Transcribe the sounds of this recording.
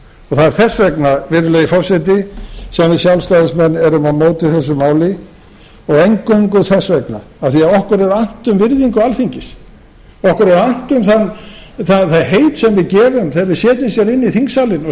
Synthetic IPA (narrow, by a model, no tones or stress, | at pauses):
ɔɣθaðɛɾ̥θɛsːvɛknavɪɾʏleɣɪfɔɾsɛt̪ɪsɛmɪsjawlst̪aːðɪsmɛnːɛɾʏmaðmoːwt̪ɪθɛs̬ːʏmaːwlɪ | ɔɣejŋkœŋkʏðθɛsvɛkna̰ | aðθiaðɔhkʏɾɛɾan̥t̪ʏmvɪɾðiŋkʏalθiɲcɪs | ɔhkʏɾɛɾan̥t̪ʏmθanθaðθaðɦejt̪sɛmvɪðcɛːvʏmθeɾvɪsjɛːt̪ʏmsjɛɾɪnːiθiŋksalɪnɔ